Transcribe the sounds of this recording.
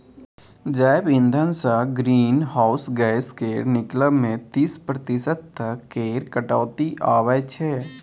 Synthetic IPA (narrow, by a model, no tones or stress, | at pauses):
d͡ʒaːɪbɪ̃nd̪ʱənsaɡɾiːnɦaːʊsɡaːɪskeːɾnɪkləbmẽt̪ispɾət̪ɪsət̪ːəkːeːɾkəʈɔːt̪iʔaːʋəjt͡ʃʰɛː